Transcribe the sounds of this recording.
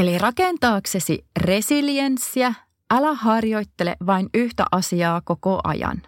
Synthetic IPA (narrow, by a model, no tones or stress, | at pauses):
elirɑkent̪ɑːkse̞sire̞siliensːiæ | ʔælæhɑrjo̞jt̪ːe̞lḛʋɑinyht̪æ̰ʔɑsiɑːko̞koʔɑ̰jɑ̰n